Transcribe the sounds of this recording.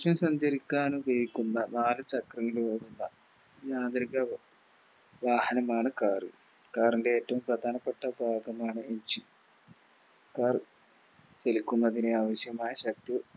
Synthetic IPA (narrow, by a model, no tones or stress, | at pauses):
ʂjɐmsɐɲd͡ʑɐɾikʲːaːnuʋejikʲːunːɐnaːlɨt͡ɕɐkrɐŋːɐlueɽunːɐ | jaːd̪riɣɐ | ʋaːhɐnɐmaːɳɨkaːrɨ | kaːrinde̞eːtːɐʋumprɐd̪ʱaːnɐpːeʈːɐbʱaːɡɐmaːɳɨeɲd͡ʑi | kaːr | t͡ɕelikʲːunːɐðineaːʋɐɕjɐmaːjɐɕɐk̚t̪i